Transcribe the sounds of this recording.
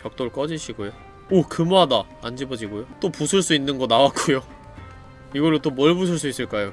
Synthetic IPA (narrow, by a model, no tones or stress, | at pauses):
pjʌk̚t͈oɭk͈ʌd͡ʑiɕʰiɡojo | okɯmoɦada | and͡ʑibʌd͡ʑiɡojot͈opusʰɯɭs͈uinːɯnɡʌnawak͈ojo | iɡʌɾot͈omʌɭbusʰɯɭs͈uis͈ɯɭk͈ajo